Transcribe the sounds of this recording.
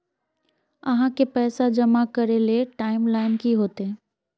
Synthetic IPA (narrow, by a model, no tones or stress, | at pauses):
ɐ̰ɦãkepɛːsad͡ʒɐmakɐɾeleʈaːɪmlaːɪnkiɦoːt̪e